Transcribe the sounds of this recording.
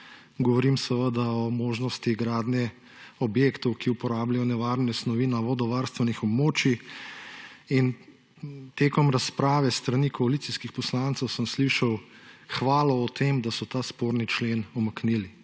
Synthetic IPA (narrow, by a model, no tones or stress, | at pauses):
ɡɔʋɔɾimsɛʋəd̪aɔmoːʒnɔst̪iɡɾaːd̪njɛ | ɔbjeːkt̪ɔwkiupɔɾaːblajɔnɛʋaːɾnɛsnɔʋiːnaʋɔd̪ɔʋaːɾst̪ʋɛnixɔbmoːt͡ʃi | in | t̪eːkɔmɾaspɾaːʋɛst̪ɾanikɔalit̪siskixpɔslant̪səwsəmsliʃaw | xʋaːlɔːt̪eːmd̪asɔt̪aːspoːɾnit͡ʃleːnɔmɐknili